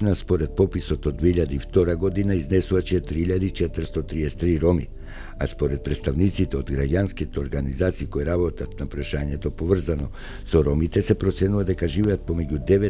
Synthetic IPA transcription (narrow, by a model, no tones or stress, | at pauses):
naspɔɾɛt̪̚pɔpisɔt̪ɔd̪ːvɛiʎad̪aift̪ɔɾaɡɔd̪inaiznɛsuvat͡ʃɛt̪ɾiiʎad̪ait͡ʃɛt̪ər̩st̪ɔt̪ɾiɛsɛ̥t̪ɾiɾɔmḭ | aspɔɾɛt̪̚pɾɛt̪st̪avnit̪sit̪ɛod̪ɡɾaɟanskit̪ɛoɾɡanizat̪siːkɔjɛɾabɔt̪at̪̚napɾaʃaɲɛt̪ɔpovr̩zanɔ | sɔɾɔmit̪ɛsɛpɾɔt̪sɛnuvad̪ɛkaʒivɛat̪̚pɔmɛɟud̪ɛvɛ